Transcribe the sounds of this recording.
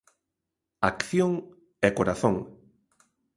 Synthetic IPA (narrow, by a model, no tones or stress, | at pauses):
akθjoŋ | ɛkoɾaθõŋ